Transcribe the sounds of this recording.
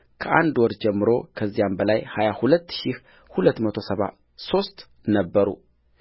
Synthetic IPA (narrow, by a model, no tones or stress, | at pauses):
kʰəʔa̰nd̪wɔɾd͡ʒɛmːɨɾo̞̰kʰəzːijambəlajhajahulət̪ːʃih | hulət̪ːmət̪ʰo̞səβa̰ | so̞st̪ | nəbːəɾṵ